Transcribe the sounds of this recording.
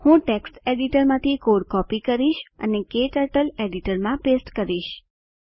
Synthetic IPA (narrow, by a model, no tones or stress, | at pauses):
hũʈeksʈeɖiʈəɾmãt̪ʰikoɽkɔpikəɾiʃə̰nekeʈəɾʈəleɖiʈəɾmãpesʈkəɾiʃ